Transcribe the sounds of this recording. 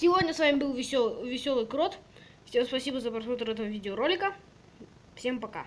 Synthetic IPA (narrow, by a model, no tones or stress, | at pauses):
sʲɪvodʲnʲəsvamʲɪbɨlˠvʲɪovʲɪsʲolˠɨjkɾot̪ | fsʲe̞mspɐsʲibəzəpɾɐsmot̪ɾɛt̪əvəvʲidʲɪəɾolʲɪkə | fsʲe̞mpɐka̰